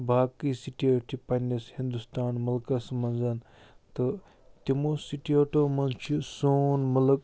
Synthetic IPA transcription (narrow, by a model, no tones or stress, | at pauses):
bʱaːkːisiʈiɐʈipɐnishind̪ust̪aːnmɐlkɐsmɐnzɐn | t̪ɨ | t̪imoːsiʈiɐʈomɐnt͡ʃʰusonmɐlək